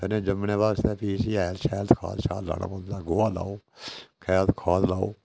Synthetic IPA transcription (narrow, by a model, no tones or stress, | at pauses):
ənẽːd͡ʒəmnẽːbaːst̪eːpiːsiːɛːlʃɛːlt̪kʰa̰ːt̪ʃʰaːt̪la̰ːna̰ːpə̃nd̪aːɡoːaːla̰ːoːkʰɛːt̪kʰaːt̪laːo̰ː